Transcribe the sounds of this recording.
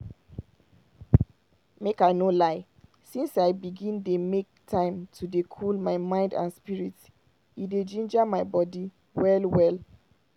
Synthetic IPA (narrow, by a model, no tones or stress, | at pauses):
mekaɪnolaɪ | sĩnsaɪbiɡĩndemek̚tʰãɪ̃mtʰudekʰulmaɪmãɪ̃ndã̰nspiɹit | ided͡ʒĩnd͡ʒamaɪbɔdi | wɛlwɛl